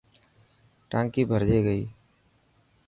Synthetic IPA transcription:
ʈãːŋkibʱəɾd͡ʒeːɡəḭː

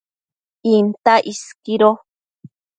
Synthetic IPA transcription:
int̪aʔiskiɾo

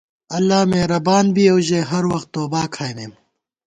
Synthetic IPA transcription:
ɐlːaːmẽːɾɐbaːnbiːɐwʑeːɦɐɾwɐxt̪ːoːbaːkʰaːjneːm

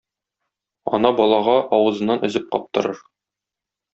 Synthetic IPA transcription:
ɒ̰nɑbɒlˠɑʁɑʔɒwɤ̆zɤ̆nːɑnʔɵ̆zɘp̚qɒ̰p̚t̪ɤ̆ɾɤɾ

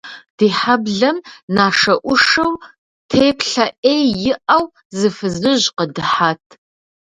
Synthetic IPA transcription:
d̥iːħabɮɐmnaːʂɐʔʷʊʂɐw | tʰeːpʰɬɐʔejjɪʔɐw | zɨfɨzɨʑqədɨħaːtʰ

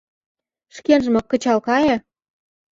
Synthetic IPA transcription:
ʃkenʒə̆mop̚kə̆t͡ɕɑlkɑjĕ

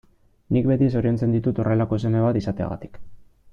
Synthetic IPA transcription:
nikbe̞t̪iso̞ɾio̞nt͡se̞nd̪it̪ut̪o̞re̞lako̞ese̞me̞β̞at̪isat̪e̞a̰ɣa̰t̪i̥k

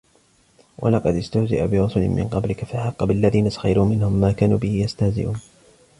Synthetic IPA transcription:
wʔa̰lɑqɑd̪ɪst̪ʊhzɪ̰ʔa̰bɪɾʊsʊlɪ̰mmɪ̰nqɑblɪkafaħɑqːɑbɪʔalːaðiːnasḁxɑ̰jɾuːmɪnhʊmːaːkaːnuːbɪhɪjast̪ahzɪ̰ʔuːn

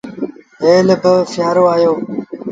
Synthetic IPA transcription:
eːləbəfɪjaːɾoːaːjoː

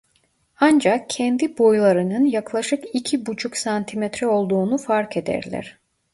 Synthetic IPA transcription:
and͡ʒakcʰɛnd̪ibo̞jlˠaɾɯnɯnjaklˠaʃɯkicʰibut͡ʃʰuksant̪ʰimɛt̪ɾɛo̞lˠd̪uːnufaɾkʰed̪æ̰ɾlʲæ̰ɾ̥

